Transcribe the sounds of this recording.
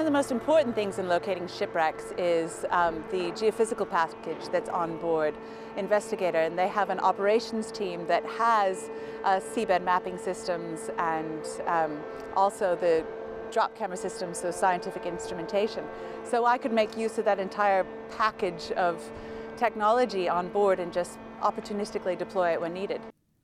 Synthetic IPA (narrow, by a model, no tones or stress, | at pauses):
wʌ̃nʌvðəmoʊstm̩pʰɔɹʔn̩θɪ̃ŋzɨ̃nloʊkʰeɪɾɪ̃ŋʃɪpɹɛksɪzðɨd͡ʒiɨfɪzɨkl̩ˠpʰækɨ̥d͡ʒðɨtsn̩bɔɹɾ | ɨ̃ɱvɛstɨɡeɪɾə˞ɨ̃nðeɪəvɨ̃nʔɑ̰pə˞eɪʃn̩z̥tʰĩmðɨt̚həz̥ | ʔsibɛd̚mæpɪ̃ŋsɪstɨ̃mzɨ̃n | ʔɔlˠsoʊðɨ | dɹɑp̚kʰæ̃mə˞əsɪstɨ̃mzʌ̥saɪɨ̃ntʰɪfɨkɪ̃nstɹ̥ɨmɨ̃ntʰeɪʃɨ̃n | soʊaɪkɨd̚meɪkjʉzʌvðɨɾɨ̃ntʰaɪə˞ | pʰækɨd͡ʒʌv̥ | tʰɛk̚nɑlˠəd͡ʒiə̃nbɔɹɾɨ̃nd͡ʒʌst | ʔɑ̰pə˞tʰʉnɪstɨklidɨpʰl̥ɔɪɨʔ̚wɨ̃nːiɾɨd̥